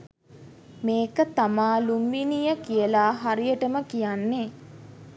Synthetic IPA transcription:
meːkət̪amaːlumʋinijəkijəlaːɦaɾijəʈəməkijanːe

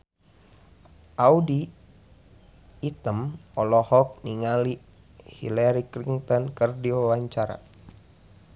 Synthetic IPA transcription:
ʔaudi | t̪əmɔlɔhɔk̚niŋali | hḭlaɾikɾiŋt̪ɔnkərdiowaɲt͡ʃaɾa̰

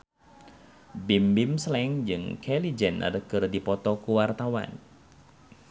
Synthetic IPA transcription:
bimbimslɛŋd͡ʒɨŋkʰɛlid͡ʒɛna̰dəkɨrdipɔt̪ɔkuwart̪awa̰n

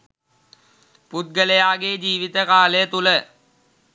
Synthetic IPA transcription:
put̪̚ɡələjaːɡeːd͡ʒiːʋit̪əkaːləjət̪ulə

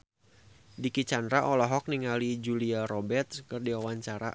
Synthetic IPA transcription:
dikit͡ʃand̪ɾaʔɔlɔɦɔk̚niŋalid͡ʒuliaɾɔbɛrt̪skɨrdiwawaɲt͡ʃaɾa̰

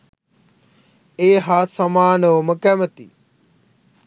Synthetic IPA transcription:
eːɦaːsɐmaːnoːməkaːmət̪ḭː

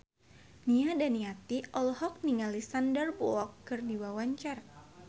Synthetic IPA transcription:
niadaniat̪iʔɔlhɔk̚niŋalisandərbɔɔkːɨrdiwawaɲt͡ʃar

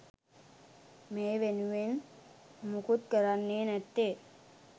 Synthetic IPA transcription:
meːʋenuʋen | mukut̪̚kəɾanːeːnɛt̪ːe

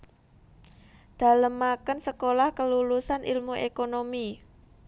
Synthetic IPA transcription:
d̪̥a̤ləmːakənsəkolahkəlulusanʔḭlmuʔekonomi

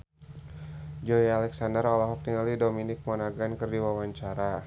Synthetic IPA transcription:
d͡ʒɔjalɛksandərɔlaɦɔk̚t̪iŋalidominɪk̚mɔnaɡankərdiwawaɲt͡ʃaɾa

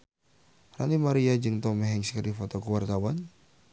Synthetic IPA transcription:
ra̰nimaɾiad͡ʒɨŋt̪ɔmɛɦɛŋskəɾifɔt̪ɔkuwart̪awan

